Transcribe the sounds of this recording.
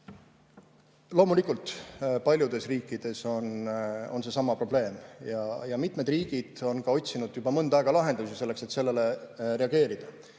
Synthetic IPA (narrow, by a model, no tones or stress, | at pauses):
lo̞ːmulikːˑult̪ˑpɑlʲjud̪̥e̞sriːkːˑid̪̥e̞so̞no̞̰nse̞sɑmːɑpro̞b̥le̞ːmjɑjɑmit̪ˑme̞d̪riːɡ̥id̪̥o̞nkɑo̞tʲsinud̪̥jub̥ɑmɤnd̪ɑeɡ̥ɑlɑɦe̞nd̪̥usise̞lːe̞kse̞t̪se̞lːe̞le̞re̞ɑɡ̥e̞ːɾid̪̥ɑ